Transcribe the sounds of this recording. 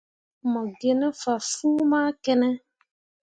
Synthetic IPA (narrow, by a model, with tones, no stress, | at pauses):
mɔ̃˨ɡe˨nɛ˦fa˨fu˦mã˦kɛ˨nɛ˦